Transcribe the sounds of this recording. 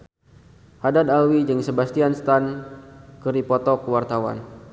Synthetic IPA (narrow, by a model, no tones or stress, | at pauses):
hadad̪alwid͡ʒɨŋsəbast̪ianst̪ankəɾipɔt̪ɔkwart̪awa̰n